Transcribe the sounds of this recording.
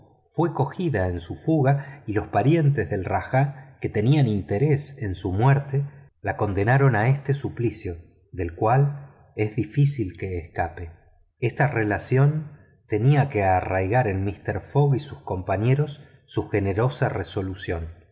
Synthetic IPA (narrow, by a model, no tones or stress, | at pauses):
fwe̞ko̞xiðae̞nsufuɣailo̞spaɾje̞nt̪ezðe̞lraxake̞t̪e̞nianint̪e̞ɾe̞sensumweɾt̪e | lako̞nd̪e̞naɾo̞nae̞st̪e̞suplisjo̞ | ðe̞lkwal | e̞zðifisilke̞ːskape̞ | est̪are̞lasjo̞n | t̪e̞niake̞arajɣaɾelmist̪eɾfo̞ɣisusko̞mpaɲe̞ɾo̞sː | uxe̞ne̞ɾo̞sareso̞lusjo̞n